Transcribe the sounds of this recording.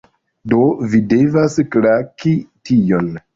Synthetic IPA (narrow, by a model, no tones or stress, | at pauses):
do̞vide̞vasklakitʰijo̞n